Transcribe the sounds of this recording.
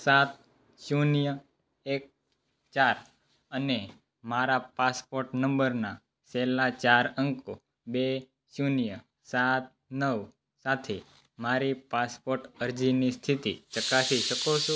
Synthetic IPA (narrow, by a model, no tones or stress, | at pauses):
sat̪̚ | junijə | ek̚ | t͡ʃaɾ | əne | maɾapaspoɾʈnəmbəɾna | sɛlat͡ʃaɾəŋko | be | junijə | sat̪̚nəʋ | sat̪ʰe | maɾipaspoɾʈəɾd͡ʒinist̪ʰit̪ḭt͡ʃəkasiʃəkot͡ʃʰõ